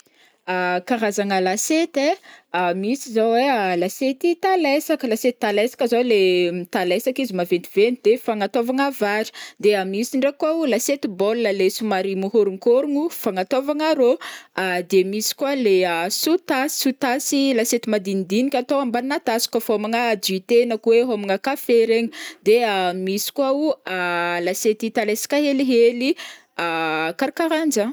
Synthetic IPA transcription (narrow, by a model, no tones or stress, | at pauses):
akaɾazaŋəlaset̪eamisizowwealaset̪it̪alesakəlaset̪i̥t̪alesḁkəzolemit̪alesakizimavent̪ivenid̪̥efaŋat̪ovaŋavaɾi̥d̪eamisiɳɖ͡ʐekuaulaset̪ibolːəlesumaɾimuɦoɾuŋkoɾuŋufaŋat̪ovaŋaɾoad̪emisi̥kwaleasut̪asi̥sut̪asilaset̪imad̪inid̪inikʲat̪oambanat̪asi̥kəfomaŋad͡ʒuit̪enakuweɦomaŋəkafeɾeɲəd̪eamisi̥kwaualaset̪it̪aleskaɦeliɦeli | akaɾikaɾand͡ʒa